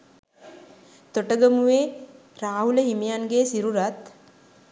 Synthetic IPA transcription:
t̪oʈəɡəmuʋeː | ɾaːɦuləɦimijanɡeːsiɾuɾat̪

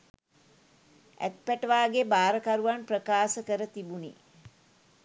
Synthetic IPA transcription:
æ̰t̪̚pæʈəʋaːɡebaːɾəkaɾuʋanprəkaːsəkəɾət̪ibunḭ

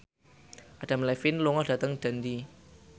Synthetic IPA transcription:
ʔaɖ̥a̤mlɛfɪnluŋɔhd̥ä̤t̪əŋd̪̥a̤nd̪i

